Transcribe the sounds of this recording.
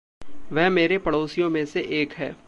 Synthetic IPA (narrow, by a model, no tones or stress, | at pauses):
ʋɛɦmeːɾepɐɽoːsijõmẽseʔeːkɦɛ̰ː